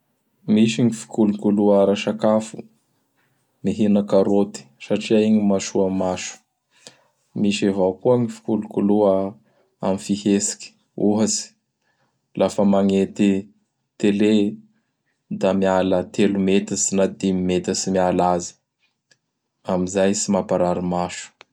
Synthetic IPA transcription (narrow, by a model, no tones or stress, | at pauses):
miʃiŋifi̥kulukuluaɾaʃakafṵ | miɦinakaɾot̪i̥saʈ͡ʂiaiɲimaʃuamaʃu̥ | miʃevawkuəŋifi̥kulukuluə | a̰mifihesi̥kʲi̥ | uɦasi̥ | lʔafəmaŋet̪i | t̪ele | d̪amialət̪elumet̪isinad̪imimet̪əsimialazi̥ | amizajsimapaɾaɾimaʃu̥